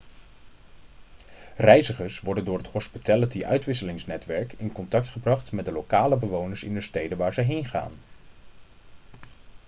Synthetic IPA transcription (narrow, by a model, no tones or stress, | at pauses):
rɛjzəχəɹsʋɔɹdəndʊːɹɦəthɔspitɛlətiʔœ̰ɥtʋɪs̬əlɪŋsnɛtʋɛɹkɪnkɔntɑk̚tχəbrɑχtmɛt̚dəlowkaːləbəʋownəɹsɪ̰ndəstejdənʋaːɹzəɦejnχa̰ːn